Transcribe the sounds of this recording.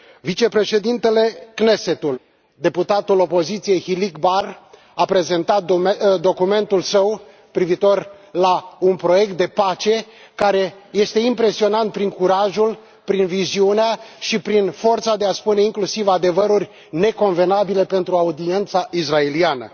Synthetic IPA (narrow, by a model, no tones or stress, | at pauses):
vit͡ʃe̞pɾe̞ʃe̞d̪int̪e̞le̞kne̞se̞t̪ul | d̪e̞put̪at̪ulo̞po̞zit̪sije̞jhilikbar | apɾe̞ze̞nt̪at̪̚d̪o̞kume̞nt̪ulsəw | pɾivit̪o̞rlaunpɾo̞je̞k̚t̪̚d̪e̞pat͡ʃe̞ | kaɾe̞je̞st̪e̞impɾe̞sio̞nant̪̚pɾiŋkuɾaʒul | pɾinviziuneaʃipɾinfo̞rt̪sad̪e̞aspune̞iŋklusivad̪e̞vəɾurʲ | ne̞ko̞nve̞nabile̞pe̞nt̪ɾuaud̪ie̞nt̪saʔisrae̞lianə̰